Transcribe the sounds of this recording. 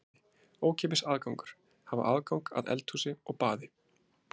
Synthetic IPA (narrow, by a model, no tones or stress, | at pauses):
oːwcʰɛːp̬ɪsaːðkawŋkʏ̥ɾ̥ | hava̰ʔaːðkawŋka̰ðɛ̰lt̪huːsɪɔɣpaːðɪ